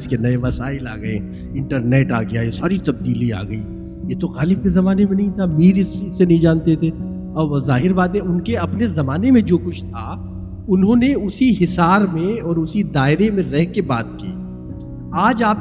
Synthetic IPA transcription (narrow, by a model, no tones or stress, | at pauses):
skenɐeʋɐsaːɪla̰ːɡɐḛ | ɪ̃ɳʈəɾneːʈa̰ːɡɐjaesaːɾit̪ɐb̚d̪iːlia̰ːɡɐiː | jet̪oɣaːlɪb̚kezɐmaːnemẽnɐɦĩt̪ʰamiːɾɪsɪsːenɐɦĩd͡ʒaːnt̪et̪ʰeː | ɔːzaːɦɪɾbaːt̪ẽʊnkeɐpnezɐmaːnemẽd͡ʒoːkʊt͡ʃʰt̪ʰa | ʊnɦõːneʊsiɦɪsaːɾmẽɔːɾʊsid̪aːɪɾemẽɾɛɦkebaːt̪kḭː | aːd͡ʒaːp̚